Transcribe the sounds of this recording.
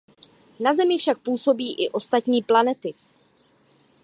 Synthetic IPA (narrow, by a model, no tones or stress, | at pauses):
nazɛmɪfʃak̚puːso̞biːʔɪʔo̞st̪at̪ɲiːplanɛt̪ɪ